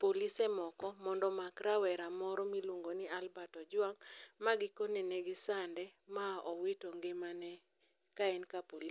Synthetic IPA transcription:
polisɛmɔkɔmɔndɔmakɾawɛɾamɔɾɔmiluŋɡonɪalbatɔd͡ʒwaŋmaɡɪkonɛnɛɡɪsandɛmaʔɔwitoŋɡɪmanɛ | kaɛnkapoli

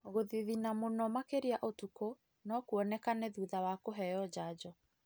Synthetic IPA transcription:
ɣoðiðinamonɔmakeɾiaʔotuko | nɔkuɔnɛkanɛðuːðawakoɦɛjɔd͡ʑaːd͡ʑɔ

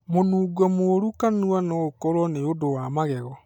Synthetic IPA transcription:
monuːɡɔmoɾukanuanɔokɔɾwɔneodowamaɣɛɣɔ

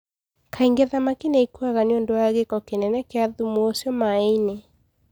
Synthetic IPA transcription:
kʰaiŋɡeðamakineikuaɣaneondɔaɣekɔkenɛnɛkeaðumoosjɔmaɛine

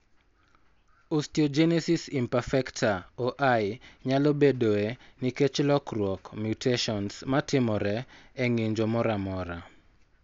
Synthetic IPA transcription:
ustiod͡ʒɛnɛsisimpafɛktʰaoʔajɲalɔbedoeniket͡ʃlɔkrwɔkmjutʰeʃɔnsmatɪmɔɾɛɛŋɪɲd͡ʒomɔɾamɔɾa

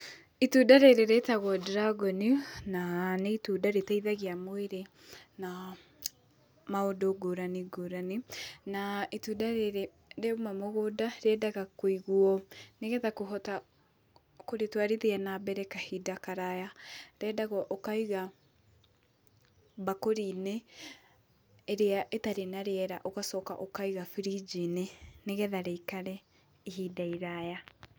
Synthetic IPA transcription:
ituːdaɾeɾeɾetaɣwɔdɾaɡɔninaneitudaɾetaiðaɣeamoeɾe | na | maodoɡoɾaniɡoɾaninaitudaɾeɾe | ɾeumamoɣodaɾɛdaɣakoiɣuɔneɣɛtakoɦɔta | koɾetwaɾeðeanabɛɾɛkahidakaɾajaɾɛːdaɣɔʔokaiɣa | bakoɾiːne | ɾeaʔetaɾenaɾeɛɾaʔoɣasɔka̰ʔokaiɣafiɾid͡ʒineneɣɛðaɾeikaɾɛ | iɦidaiɾaja

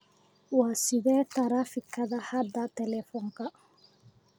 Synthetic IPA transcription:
wasiðɛːt̪aɾafikʰːaðahad̪at̪ɛlɛfɔŋka

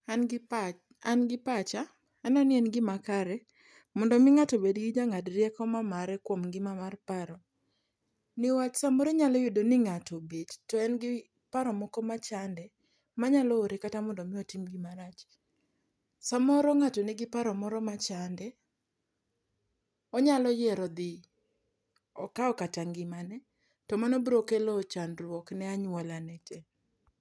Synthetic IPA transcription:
n | anɡɪpat͡ʃa | ɛnɔnɪɛnɡɪmakaɾɛ | mɔndɔmɪŋatobedɡɪd͡ʒaŋadɾjɛkɔmamaɾɛkwomɡɪmamarpaɾɔ | nɪwat͡ʃsamɔɾeɲalɔjodonɪŋatobedtɔɛnɡɪ | paɾɔmɔkɔmat͡ʃandɛ | maɲalɔːɾekatamɔndɔmɪɔtimɡimaɾat͡ʃ | samɔɾɔŋatɔnɪɡɪpaɾɔmɔɾɔmat͡ʃandɛ | ɔɲalɔjɛɾɔd̪ɪ | ɔkaɔkataŋɡɪmanɛ | tɔmanɔbɾokɛlɔt͡ʃanrwɔknɛaɲwɔlanɛt͡ʃɛ

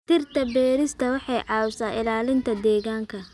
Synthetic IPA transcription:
t̪ʰɪrt̪ʰɐbɛːɾɪst̪ʰɐwɑħɑjʕɑːwsaːʔɪlaːlɪnt̪ʰɐd̪ɛːɣaːŋkʰɐ

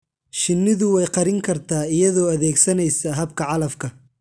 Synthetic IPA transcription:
ʃɪnːɪðʊwɛjqɑɾɪŋkʰɐrt̪ʰaːɪjɐðɔːɐðɛːɡsɐnɛjsɐɦɐbkʰɐʕɑlɐfkʰɐ

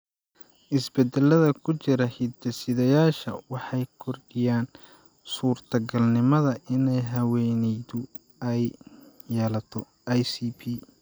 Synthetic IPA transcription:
ʔɪsbɛd̪ɛlːɐðɐkʰʊt͡ʃɪɾɐhid̪ɐsɪðɐjaːʃɐ̰wɑħɑjkʰɔrɖɪjaːn | suːrt̪ʰɐɡɐlnɪmɐðɐʔɪnɛjɦɐwɛnɛjðʊ | ɛj | jːɛːlɐt̪ʰɔ | jsiːpʰiː

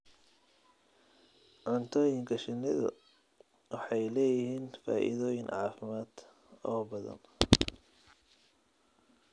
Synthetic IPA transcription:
ʕɑnt̪ʰɔːjɪŋkʰɐʃɪnːɪðɐ̰ | wɑħɑjlɛːjɪhiːnfa̰ːʔḭðɔːjɪnʕɑːfɪmaːd̪ | ɔːbɐðɐ̰n

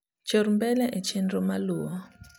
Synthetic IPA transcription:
t͡ʃoɾmbɛlɛʔɛt͡ʃɛndɾɔmalua

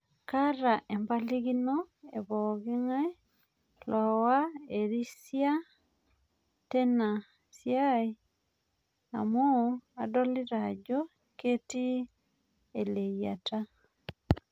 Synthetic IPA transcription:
kaɾaʔembaliɣinoḛβɔɣeŋa | lɔwaeɾisja | tena | sjai | a̰moadoliɾaɟɔ | keti | elejata

